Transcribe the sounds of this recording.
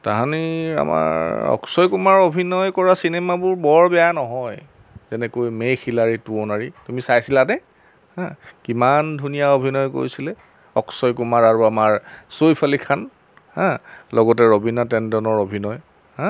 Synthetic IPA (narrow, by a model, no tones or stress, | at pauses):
taɦania̰ma̰ɔ̰ksɔjkumaɹobʱinɔjkɔɹasinɛmabʊɹbɔɹbɛjanɔɦɔj | zɛnɛkojmejxilaɹituonaɹitumisajsilanɛ | hãkimandʱunijaobʱinɔjko̰ɹisilɛ | ɔ̰ksɔjkumaɹaɹuamaɹsojpʰalikʰan | hãlɔɡɔtɛɹobinatɛndɔnɔɹobʱinɔj | hã